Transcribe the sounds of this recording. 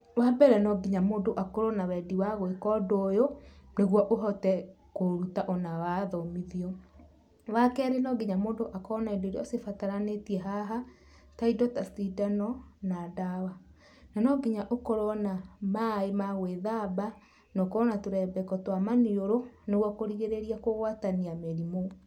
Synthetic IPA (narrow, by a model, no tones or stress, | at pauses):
wabɛɾɛnɔɡiɲamoːndoʔakoɾɔnawɛdiwaɣwekɔdoːjoneɣwɔʔoɦɔtɛ | koɾutaʔɔnawaðɔmiðiɔ | wakɛɾenɔɡiɲamoːdoʔakɔnaedoɾeosefataɾanetiɛɦaɦa | taidɔtastidanɔnadawa | nanɔɡiɲaʔokoɾɔnamaemaɣweðaba | nɔkoɔnatoɾɛbɛkɔtwamanioɾoneɣwɔkoɾiɣeɾeɾiakoɣwataniameɾimo